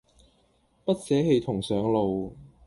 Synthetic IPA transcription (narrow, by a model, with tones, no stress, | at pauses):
pɐ˥t̚sɛː˨˥he˨˧jt̪ʰʊ˨˩ŋsœː˨˧ŋlo˨w